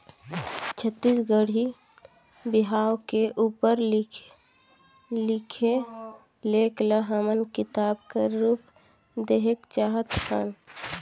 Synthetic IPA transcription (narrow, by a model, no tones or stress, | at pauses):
t͡ʃʰət̪ːiːsɡəɽ̤i | bɪɦaːwkeʔuːpəɾ | lɪkʰe | leːkləɦamənkɪt̪aːb̚keɾuːp | d̪eɦekt͡ʃaːɦət̪kʰan